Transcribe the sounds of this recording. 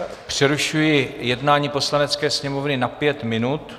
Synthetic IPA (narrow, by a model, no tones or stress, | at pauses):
pr̝̥ɛɾuʃujɪjɛdnaːɲiːpo̞slanɛt͡skɛːsɲɛmovnɪnapjɛt̪mɪnut̪